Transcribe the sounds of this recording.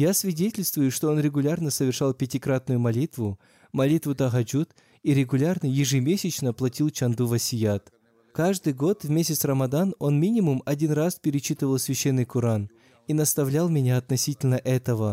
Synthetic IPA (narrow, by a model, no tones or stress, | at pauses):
jasvʲɪdʲetʲɪlʲst̪vʊjʊʂt̪o̞o̞nɾʲɪɡʊlʲarnəsəvʲɪrʂalˠpʲɪtʲikɾat̪nʊjʊmɐlʲit̪vʊ | mɐlʲit̪vʊt̪ɐɣɐd͡ʒut̪ | iɾʲɪɡʊlʲarnəjɪʐɨmʲesʲɪt͡ɕnəplˠɐtʲilˠt͡ɕɐnd̪uvɐsʲɪjat̪ | kaʐd̪ɨjɡo̞t̪vmʲesʲɪsrəmɐd̪ano̞nmʲinʲɪmʊmɐdʲinraspʲɪɾʲɪt͡ɕːit̪ɨvəlˠsʲvʲɪɕːenːɨjkʊɾan | inɐst̪ɐvlʲalˠmʲɪnʲaɐt̪nɐsʲitʲɪlʲnəʔɛt̪əvə